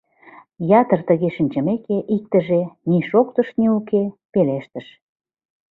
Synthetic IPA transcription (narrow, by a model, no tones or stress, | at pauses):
jɑt̪ərt̪ə̆ɣeʃənʲt͡ɕə̆mekeʔik̚t̪ə̆ʒeniʃokt̪ə̆ʃniukepeleʃt̪ə̆ʃ